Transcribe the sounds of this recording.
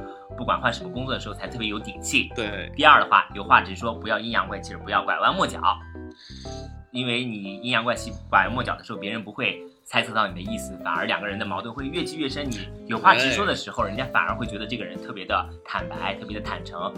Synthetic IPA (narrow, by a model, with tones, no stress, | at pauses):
pu˥˩kwa̰˨˩nxwa˥˩nʂə˧˥mə˧kʊ˥ŋt͡swɔ˥˩ə˩ʂ̩˧˥˧t͡sʰɪɤ˥˩jɛ˥jo˧˥ʊt̪i˨˩t͡ɕʰi˥˩˥t̪i˥˧ɐ˞˥˩d̪ə˩xwa̰˥˩jo˨˩ʊxwa˥˩ʈ͡ʂɻ̩˧˥ʂwɔ˥pu˧˥jɑ˥˧ʊi˥njɑ˧˥ŋkwa˥˩nt͡ɕʰi˧˥ʂɻ̩˧˥pu˧˥jɑ˥˩ʊkwa˨˩ɪwa˥˧nmwɔ˥˩t͡ɕjɑ̰˨˩˦ʊ | i˥nwe˥˩ɪni˨˩i˥njɑ˧˥ŋkwa˥˩nɕi˥˩kwa˨˩˧mwɔ˥˩t͡ɕjɑ˨˩d̪ə˦ʂ̩ɻxpjɛ˧˥ɻə˧˥npu˧˥xwe˥˩ɪ | t͡sʰa˥ɪt͡sʰɤ˥˧t̪ɑ˥˩ʊni˨˩d̪ə˦i˥˩sɹ̩˨˩fa̰˨˩nə̰˞˧˥ljɑ˨˩ɡə˦ɻə˧˥nd̪ə˧mɑ˧˥t̪wə˥˧nxwe˥˧ɪɥɛ˥˧˩t͡ɕi˥˧ɥɛ˥˩ʂə˥nni˨˩˦ | jo˨˩ʊxwa˥˩ʈ͡ʂɻ̩˧˥ʂwɔ˥d̪ə˨ʂɻ̩˧˥xo˧ʊɻə˧˥nt͡ɕja˥fa̰˨˩ə˞˧˥xwe˥˩ɪt͡ɕɥɛ˧˥d̪ə˧ʈ͡ʂɤ˥˩ɡə˩ɻə˧˥nt̪ʰɤ˥˩pjɛ˧˥d̪ə˧ | t̪ʰa˨˩npa˧˥ɪt̪ʰɤ˥˩pjɛ˧˥d̪t̪ʰa˨˩nʈ͡ʂʰɤ˧˥ŋ